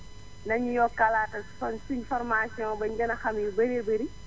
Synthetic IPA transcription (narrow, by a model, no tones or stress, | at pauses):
nɐɲijɔkalaːtɐsɔnsinfɔrmasiɔ̃nbɐɲɟɐnɐxɐmjubɐɾebɐɾi